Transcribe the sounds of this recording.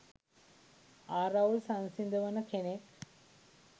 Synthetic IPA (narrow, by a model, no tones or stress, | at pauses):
aːɾawlsansind̪əʋənəkenek